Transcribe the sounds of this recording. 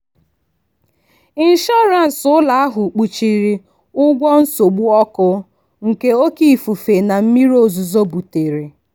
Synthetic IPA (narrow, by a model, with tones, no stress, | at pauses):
i˦n̩˦ʃɔ˦ɾa˨n̩˨sʊ˦la˨a˦ɦʊ˨k͡pu˨t͡ʃi˨ɾi˨ | ʊ˦ɡʷɔ˦n̩˦so˨ɡ͡bu˦ɔ˦kʊ˦ | ŋ̩˨ke˦o˦ki˦˨fu˨fe˨na˨m̩˦mi˦ɾo˨zu˨zo˦bu˨te˨ɾe˨